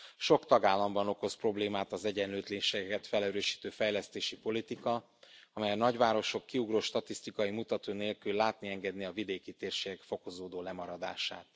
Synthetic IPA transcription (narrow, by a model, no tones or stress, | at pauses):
ʃo̞kt̪ɒɡaːlːɒmbɒno̞ko̞spro̞bleːmaːt̪ɒzɛɟɛnløːt̪leːnʃeːɡɛkɛt̪fɛlɛɾøːʃi̥ːt̪øːfɛjlɛst̪eːʃipo̞lit̪ikɒ | ɒmɛjɒnɒɟʋaːɾo̞ʃo̞kːiuɡroːʃt̪ɒt̪ist̪ikɒjimut̪ɒt̪oːneːlkylːaːt̪niɛŋɡɛd̪niɒvid̪eːkit̪eːrʃeːɡɛkfo̞ko̞zoːd̪oːlɛmɒɾɒd̪a̰ːʃa̰ːt̪